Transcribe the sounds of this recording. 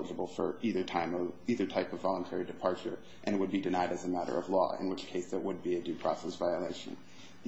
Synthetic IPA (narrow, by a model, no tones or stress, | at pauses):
əd͡ʒəbl̩ˠfə̰˞iðə˞tʰãɪ̃mʌviðə˞tʰaɪpʌvːɑlˠə̃ntʰɛɹidɨpʰɑɹt͡ʃə˞ | ʔɨ̃ñɨt̚wəd̚bidɨnaɪɾɨzɨmæɾə̰˞ʌ̰vlɔ̰ɪ̰̃nwɪt͡ʃkʰeɪsðəʔ̚wəd̚biɨdʉpʰɹ̥ɔ̰sɛsvaɪəleɪʃɨ̰̃n